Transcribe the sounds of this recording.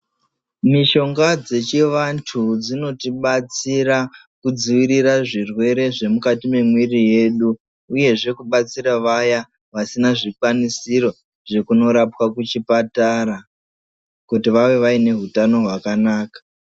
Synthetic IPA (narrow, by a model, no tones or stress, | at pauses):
miʃo̞ŋɡad͡ze̞t͡ʃiʋantʰud͡zino̞tiɓat͡siɾa | kud͡ziʋiɾiraʐirwe̞ɾe̞ʐe̞mukatime̞mwirije̞ɗu | uje̞ʐe̞kuɓat͡siɾaʋaja | ʋasinaʐikwanisiɾo̞ | ʐ̥e̞kuno̞ɾapwakut͡ʃipataɾa | kutiʋaʋe̞ʋaine̞ɦutano̞ɦwakanaːkḁ